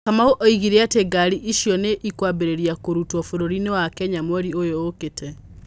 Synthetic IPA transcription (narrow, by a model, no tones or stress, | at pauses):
kamaoʔɔiɣiɾeateɡaɾiʔiʃjɔneʔikwaβeɾeɾiakoɾutwɔfoɾoɾinewakɛɲamwɔɾiojoːketʰɛ